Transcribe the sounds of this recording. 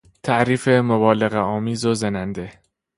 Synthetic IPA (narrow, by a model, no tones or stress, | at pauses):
t̪ʰæʔɾiːfe̞mobɒːle̞ɣeɒːmiːzozenænd̪e̞